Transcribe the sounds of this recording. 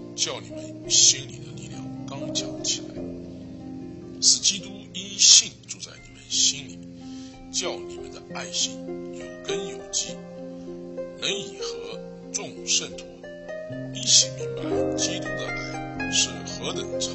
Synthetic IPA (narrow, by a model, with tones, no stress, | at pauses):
t͡ɕjɑ˥˩ʊni˨˩mə̰˦ny˨˩ɕi˥nlḭ˨˩d̪ə˦li˥˧ljɑ̰˥˩ŋkɑ˥ŋt͡ɕjɑ˥˩ʊt͡ɕʰi˨˩la̰˧˥ɪ | ʂɹ̩˨˩t͡ɕi˥t̪u˥i˥ɕi˥˧ŋʈ͡ʂu˥˧t͡sa˥˩ɪni˨˩mə˦nɕi˥nlḭ˨˩ | t͡ɕjɑ˥˩ʊni˨˩mə̰˦nd̪ə˧a˥˩ɪɕi˥ŋjo˨˩ʊkə˥njo˨˩ʊt͡ɕi˥˩ | nə˧˥ŋi˨˩xɤ˧˥ | ʈ͡ʂʊ˥˧ŋʂə˥˩nt̪ʰu˧˥ | li˥˩ɕi˨˥˩mi˧˥ŋpa˧˥ɪt͡ɕi˥t̪u˥d̪ə˧ʔa̰˥˩ɪʂɻ̩˥˩xɤ˧˥t̪ə˨˩ŋʈ͡ʂʰ